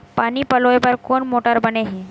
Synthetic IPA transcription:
paniːpəlojbəɾkonmoʈaɾbəneɦĩ

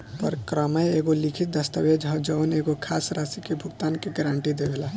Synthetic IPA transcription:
pəɾkɾəməjeɡolikʰit̪̚d̪əst̪əwed͡ʒɦə̃d͡ʒəwneɡokʰasɾasikebʱʊɡt̪ankeɡɾaɳʈid̪ebela

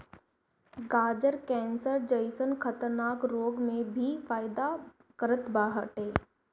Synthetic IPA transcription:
ɡaːd͡ʒəɾkɛ̃ːnsəɾd͡ʒəɪsənkʰət̪əɾnaːkɾoːɡmẽbʱifaːɪd̪a | kəɾət̪baːɦəʈɦeː

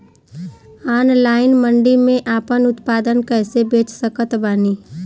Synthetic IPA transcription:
aːnlaːɪnmə̃ɳɖimẽʔaːpənʊt̪paːd̪ənkɛːsebeːt͡ʃsəkət̪baːniː

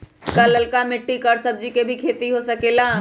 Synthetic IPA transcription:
kaləlkamɪʈːikəɾsɐb̚d͡ʒikebʱikʰeːt̪iɦosɐkela

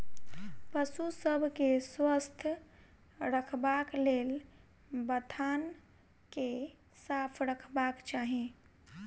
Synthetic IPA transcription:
pəsusəbʱkeswəst̪ʰ | ɾəkʰbaklel | bət̪ʰan | ke | sapʰɾəkʰbakt͡ʃaɦẽ

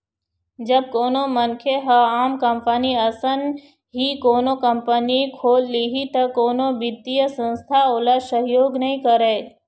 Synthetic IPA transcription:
d͡ʒɐb̚koːnomənkʰeɦəaːmkəmpəniəsən | ɦikoːnokəmpənikʰoːlːiɦit̪ɐkoːnobɪd̪ijəsə̃nst̪ʰaoːlasəɦjoːɡnɐɦĩkəɾeː

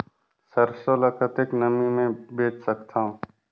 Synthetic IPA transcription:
səɾsoːlɐkət̪eknəmimẽbeːt͡ʃsəkt̪ʰãːɦũ

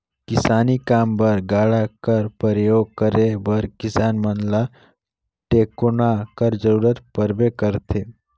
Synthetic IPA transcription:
kɪsaːnikaːmbɐɾɡaːɽakəɾpəɾəjoːɡ̚kəɾebɐɾkɪsaːnmənla | ʈeːkʊnakəɾd͡ʒəɾuːɾət̪pəɾbekəɾt̪ʰeː

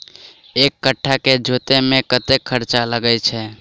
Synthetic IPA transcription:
ekːəʈʰːaked͡ʒʱot̪emekət̪ekʰːəɾt͡ʃaləɡət͡ʃʰɛ

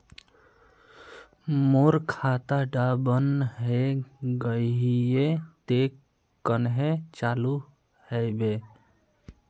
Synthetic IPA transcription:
moɾkʰat̪aɖabənɦeɡəɦijet̪ekː | ənɦet͡ʃalu | hɛjbe

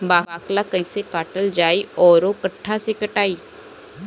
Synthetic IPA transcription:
baːaːklakɐ̃ĩsekaːʈəld͡ʒaːiɔːɾokɐʈʰːasekɐʈaːiː

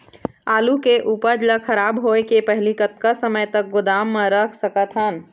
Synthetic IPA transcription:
aːlukeʔuːpəɾd͡ʒləkʰəɾaːbɦoekepəɦlikət̪kəsəməjt̪ək̚ɡʊd̪aːmːẽɾəkʰsəkət̪ɦən

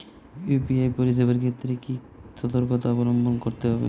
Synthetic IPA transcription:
jupiajpoɾisebeɾkʰet̪ːɾeki | t͡ʃɔt̪oɾkot̪aɔbɔɾɔmbʱɔnkoɾt̪eɦɔbḛ

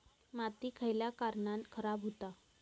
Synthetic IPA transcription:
mat̪iːkʰəjljakaɾɳankʰəɾabɦot̪a

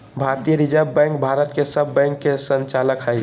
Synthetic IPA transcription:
bʱaɾt̪ijəɾid͡ʒəbːɛ̃ŋk̚bʱaɾət̪kesəbːɛ̃ŋkːesə̃nt͡ʃaːləkɦəi

